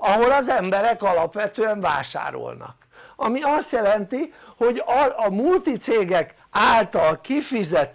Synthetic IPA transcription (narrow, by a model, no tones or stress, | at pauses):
ɒɦo̞lɒzɛmbɛɾɛkɒlɒpʋɛt̪øːɛɱva̰ːʃa̰ːɾo̰lnɒ̰k | ɒmiɒst̪jɛlɛnt̪iho̞ɟɒɒmult̪it̪seːɡɛk | aːlt̪ɒlkifizɛt̪